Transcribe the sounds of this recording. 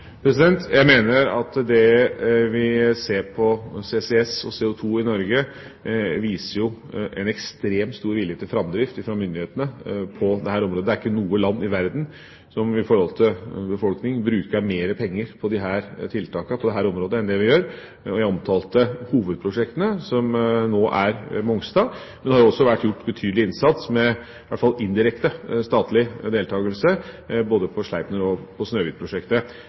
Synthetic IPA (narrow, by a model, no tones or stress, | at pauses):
pʰɾɛsɪd̪ɛnt̪jæɪmeːnəɾɑ̰t̪d̪ɛʋɪseːɾpʰɔseːsɛɛsɔseːʊt̪ʰuːɪnɔɾɡə | ʋiːsəɾjʊʔɛnɛkst̪ɾeːmt̪st̪uːɾʋɪlːjeːt̪ʰːɪlfɾɑmd̪ɾɪft̪ɪfɾɑmʏnd̪ɪheːt̪ənəpʰɔd̪ɛɦæːɾɔmɾoːd̪əd̪ɛæɾɪkːənuːəlɑnːɪʋæɾd̪n̩ | sɔmɪfɔɾhɔlt̪ʰɪlbəfɔlknɪŋbɾʉːkəɾmeːɾəpʰɛŋːəɾpʰɔd̪ɪɦæːɾt̪ʰɪlt̪ʰɑːkɑpʰɔd̪ɛɦæːɾɔmɾoːd̪əɛnd̪ɛʋɪjøːɾ | ɔjæɪɔmt̪ʰɑːlt̪əhuːʋəd̪̚pʰɾʊʂɛk̚t̪ənəsɔmnoːʔæɾmɔŋst̪ɑːmɛnd̪ɛhɑɾjʊɔsːɔʋæʈːjʊʈːbət̪ʰyːd̪lɪɪnsɑt̪smɛ | ʋæʈ̪ːfɑlːɪnd̪ɪɾɛkt̪əst̪ɑːt̪lɪd̪eːlt̪ʰɑːɡəlsə | boːd̪əpʰɔʂɭæɪpnəɾɔpʰɔsnøːʋiːd̪pʰɾʊʂɛkt̪ə